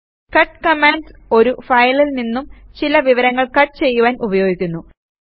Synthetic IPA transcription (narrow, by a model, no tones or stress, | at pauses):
kɐʈːkɐmaːnɖso̞ɾufɐjɭilninːumt͡ɕilɐʋiʋɐɾɐŋːɐɭkɐʈːt͡ɕe̞jːuʋaːnʔubɐjo̞ːɡikʲːunːu